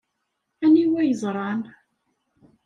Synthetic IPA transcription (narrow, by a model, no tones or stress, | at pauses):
æniwæjəzˤɾˤɑn